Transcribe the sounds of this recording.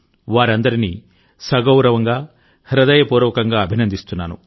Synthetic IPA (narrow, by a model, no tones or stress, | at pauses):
ʋaːɾɐnd̪ɐɾini | sɐɡɐwɾɐʋɐŋɡaː | hɾɐd̪ɐjɐpuːɾɐʋɐkɐŋɡaːɐbʱinɐnd̪ist̪unːaːnṵ